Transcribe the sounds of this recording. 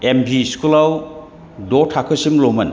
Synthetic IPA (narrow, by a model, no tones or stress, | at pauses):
embʱiskulaw | dɔtʰakʰɯsimlomɐn